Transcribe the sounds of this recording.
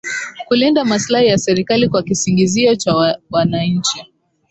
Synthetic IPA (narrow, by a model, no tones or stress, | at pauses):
kulindamaslahijasɛɾikalikwakisiŋɡiziɔt͡ʃawanaɲ̩t͡ʃi